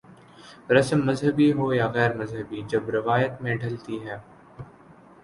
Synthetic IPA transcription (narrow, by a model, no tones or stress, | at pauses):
ɾɐsəmːɐzɦəbiɦojaɣɛːɾmɐzɦəbid͡ʒɐbɾɪʋaːjət̪mẽɖʱɐlt̪iɦɛː